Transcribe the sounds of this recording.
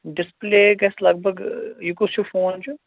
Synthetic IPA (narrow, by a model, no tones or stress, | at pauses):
ɖɪspleːɡɛslɐɡ̚bʱəɡjukʊsjufoːnd͡ʒu